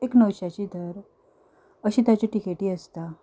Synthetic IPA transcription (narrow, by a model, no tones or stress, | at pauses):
eknəwɕat͡ɕiːd̪ʱəɾ | əɕiːt̪at͡ɕiʈikeʈiːəst̪a